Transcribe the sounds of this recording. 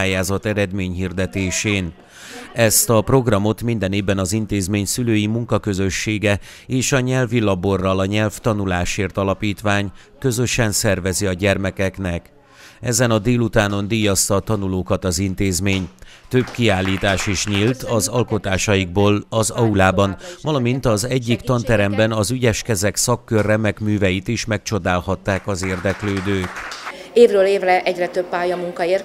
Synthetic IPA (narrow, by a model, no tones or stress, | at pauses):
aːjaːzɒt̪ɛɾɛd̪meːɲɦiːrd̪ɛt̪eːʃeːn | ɛst̪ɒpro̞ɡrɒmo̞t̪mind̪ɛneːvbːɛnɒzint̪eːzmeːɲsyløːjimuŋkɒkø̞zø̞ʃːeːɡɛ | eːʃɒɲɛlvilɒborːɒlɒɲɛlft̪ɒnulaːʃeːrt̪ɒlɒpiːt̪ʋaːɲ | kø̞zø̞ʃɛnsɛrvɛziɒɟɛrmɛkɛknɛk | ɛzɛnɒd̪eːlut̪aːno̞nd̪iːjɒst̪ɒːt̪ɒnuloːkɒt̪ɒzint̪eːzmeːɲt̪øbkiaːlːiːt̪aːʃiʃɲiːlt̪ʰɒzɒlko̞t̪aːʃɒjiɡ̚boːlɒzɒulaːbɒnvɒlɒmint̪ɒzɛɟːikt̪ɒnt̪ɛɾɛmbɛnɒzyɟɛʃkɛzɛksɒkːørːɛmɛkmyːvɛjit̪iʃmɛk̚t͡ʃo̞d̪aːlhɒt̪ːaːkɒzeːrd̪ɛkløːd̪øːt̪eːvrøːleːvrɛʔɛɟrɛt̪øpːaːjɒmuŋkɒeːr